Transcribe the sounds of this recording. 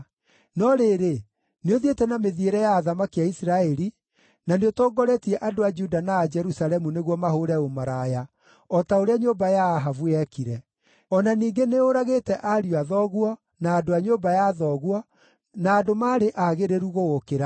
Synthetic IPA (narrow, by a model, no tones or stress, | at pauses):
nɔɾeːɾe | neoðietɛnameðieɾɛjaːðamakiaisɾaɛɾi | naneotɔːɡɔɾɛtiɛʔadoad͡ʒudanaːd͡ʒɛɾusalɛmuneɣwɔmahoɾɛomaɾaja | ɔtaoɾeaɲobajaːɦavuɛkiɾɛ | ɔnaniːŋɡeneoɾaɣetɛʔaɾioaðɔɣwɔ | naːdoaɲombajaðɔɣwɔ | naːdomaːɾeʔaɣeɾeɾuɣoɣokeɾa